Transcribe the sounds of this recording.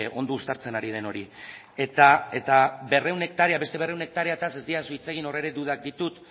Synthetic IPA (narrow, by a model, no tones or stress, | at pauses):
eʔo̞nd̪uust̪aɾt͡se̞naɾið̞e̞no̞ɾi | et̪ae̞t̪abe̞re̞wne̞k̚t̪aɾeabe̞st̪e̞β̞e̞re̞wne̞k̚t̪aɾeat̪ase̞zd̪iasuit͡se̞ɣino̞re̞ɾe̞d̪uðak̚d̪it̪ut̪